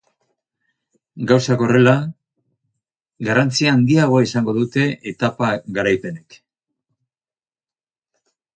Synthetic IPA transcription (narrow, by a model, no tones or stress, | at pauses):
ɡawsako̞re̞la | ɡarant͡siaːnd̪iaɣ̞oaisaŋɡo̞ðut̪e̞ʔːt̪apaɡaɾajpe̞ne̞k